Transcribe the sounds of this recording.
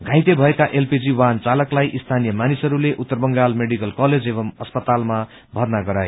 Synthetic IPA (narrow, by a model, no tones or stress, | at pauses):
ɡʱãj̃t̪ebʱʌekaʔelpid͡ziwant͡salʌklajʔist̪ʰanijʌmanisʌɾuleʔut̪ːʌrbʌŋɡalmeɽikʌlkʌled͡zeβʌmʌspʌt̪alma | bʱʌrnaɡʌɾaje